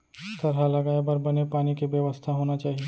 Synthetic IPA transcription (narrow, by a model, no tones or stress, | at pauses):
t̪ɐɾɦalɐɡaːebɐɾbɐnepaːnikeʋjɐʋəst̪ʰaɦoːnat͡ʃaːɦie